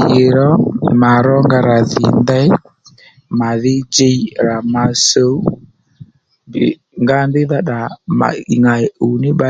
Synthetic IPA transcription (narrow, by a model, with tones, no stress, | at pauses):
e˨ɾɔ˦ma˨ɾɔ˦ŋɡa˧ɾa˨ðɪ̰˨ndɛ˦j | ma˨ðɪ˦d͡ʒe˦i˦ɾa˨ma˧so˦ | b | ŋɡa˦nbɪ˦ða˦ɗa˨ma̰˨i˨ŋa˨u˨nɪ˦ɓa˦